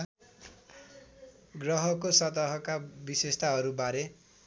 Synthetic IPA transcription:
ɡrʌɦʌkosʌt̪ʌɦʌkabisest̪ʰaɦʌɾubaɾe

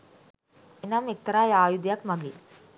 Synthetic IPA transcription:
enɐmik̚t̪ɐɾaːjaːjud̪jɐkmɐɡi

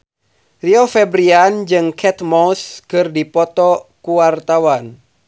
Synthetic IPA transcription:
riɔfɛbɾiand͡ʒɨŋkʰɛt̪mɔskɨrdipɔt̪ɔkuwart̪awan

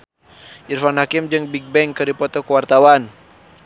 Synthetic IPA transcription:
ʔirfanhakimd͡ʒɨŋbiɡ̚bɛŋkɨdipɔt̪ɔkəwart̪awan

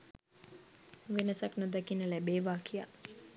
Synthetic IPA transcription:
ʋenəsaknod̪akinəlæbeːʋaːkʰija̰

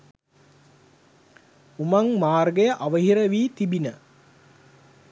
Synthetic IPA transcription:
umaŋmaːrɡəjəʔaʋəɦiɾəʋiːt̪ibinə

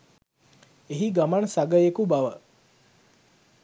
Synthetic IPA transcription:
eɦiɡamansaɡəjekubaʋə

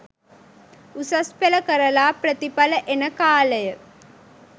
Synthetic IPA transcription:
usɐspeləkəɾəlaːprət̪ipaləʔenəkaːləjə

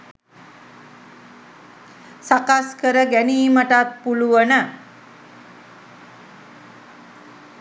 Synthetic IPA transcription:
sakaskəɾəɡæniːməʈat̪̚puluʋənə

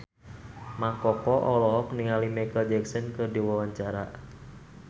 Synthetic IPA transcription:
maŋkɔkɔʔɔlɔɦɔk̚niŋalimakəld͡ʒɛksɔnkɨrdiwawaɲt͡ʃaɾa

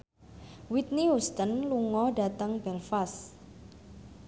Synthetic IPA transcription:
wit̪̚nihust̪ənluŋɔhɖa̤t̪əŋbɛlfas

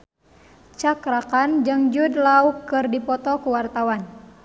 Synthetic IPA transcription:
t͡ʃakɾakand͡ʒɨŋd͡ʒudlaukːɨrdipɔt̪ɔkuwart̪awan

